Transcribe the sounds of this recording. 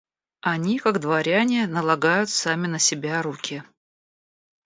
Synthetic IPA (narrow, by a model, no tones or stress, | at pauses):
ɐnʲikaɡd̪vɐɾʲanʲɪnəlˠɐɡajʊt̪samʲɪnəsʲɪbʲaɾukʲʰɪ